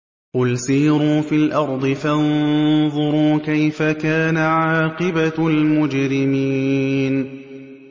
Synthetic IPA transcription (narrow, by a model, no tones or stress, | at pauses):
qʊlsiːɾuːfilʔɑɾˤd̪ˤɨfanðˤʊɾuːkajfakaːnaʕaɑːqɨbalmʊd͡ʒɾɪmiːn